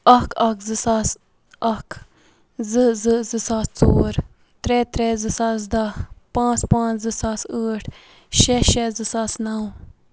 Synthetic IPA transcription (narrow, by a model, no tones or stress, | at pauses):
ɐkʰɐkʰzɨsas | ɐkʰ | zɨzɨzɨsaːst͡soːɾ | t̪ɾɛːt̪ɾɛːzɨsaːs̬d̪ɐpãːt͡spãːt͡ʃzɨsaːsəːʈʰ | ʃɛʃɛzɨsaːsnɐw